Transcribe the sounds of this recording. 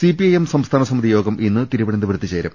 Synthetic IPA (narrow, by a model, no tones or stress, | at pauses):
sipiɐjemsɐmst̪ʰaːnɐsɐmiðʱijo̞ːɡɐmʔinːɨt̪iɾuʋɐɽɐnd̪ɨʋɾt̪ːit͡ɕeːɾɐ̰m